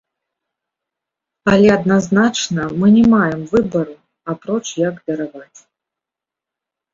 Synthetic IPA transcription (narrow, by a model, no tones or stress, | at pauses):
alʲɛɐd̪naznat͡ʂnɐmɨnʲɛmajɛmvɨbɐɾu | apɾɔt͡ʂjɐɡd̪ɐɾavat͡sʲ